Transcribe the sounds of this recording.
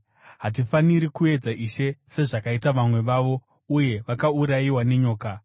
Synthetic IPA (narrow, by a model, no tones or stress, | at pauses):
ɦat̬ifaniɾikue̞d͡zaʔiʃe̞se̞ʐakaitaʋamwe̞ʋaʋo̞ | uje̞ʋakauɾajiwane̞ɲo̞ːka